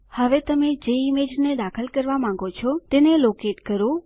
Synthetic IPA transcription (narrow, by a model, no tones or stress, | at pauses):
həʋet̪əmẽd͡ʒeimed͡ʒned̪akʰəlkəɾʋamãŋ̆ɡot͡ʃʰɔt̪enelokeʈkəɾo